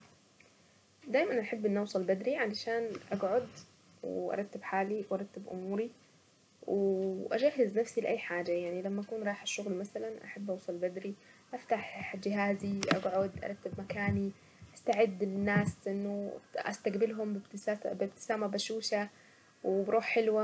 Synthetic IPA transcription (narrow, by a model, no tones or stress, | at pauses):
d̪aːjmanʔaħɪbːʔɪnːʔɑwsˤɑlbad̪ɾiʕalaʃaːnʔaɡʕʊd̪ | wʔɑ̰ɾˤɑt̪ːɪbħaːliwʔɑɾˤɑt̪ːɪbʔʊ̰muːɾi | wʔad͡ʒahːɪznafsilɪʔajːħaːd͡ʒajaʕnilamːaʔakuːnɾˤɑːħʔaʃːʊɣlmasalanʔa̰ħabːʔɑwsˤɑlbad̪ɾiʔaft̪aħd͡ʒɪɦaːziʔa̰ɡʕʊd̪ʔɑ̰ˤɑt̪ːɪbmakaːni | ʔast̪aʕɪd̪ːɪnːaːsʔɪnːʊʔa̰st̪aɡbɪlɦʊmbɪbt̪abɪb̚t̪ɪ̥saːmabaʃuːʃa | wbɾˤuːħħɪlwa